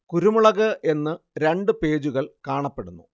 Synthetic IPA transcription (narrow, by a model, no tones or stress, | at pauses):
kuɾumuɭɐɣɐʔe̞nːɨɾe̞ɳɖɨpe̞ːd͡ʑuɣɐɭkaːɳɐpːeɽunːṵ